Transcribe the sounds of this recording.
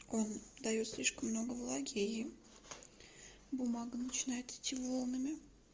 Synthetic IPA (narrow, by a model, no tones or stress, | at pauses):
ond̪ajot̪sʲlʲiʃkəmːnoɡəvlˠaɡʲeji | bumɑɡɨnt͡ʃʰɪnɑjt̪t̪ʰʲivolˠnɨmʲe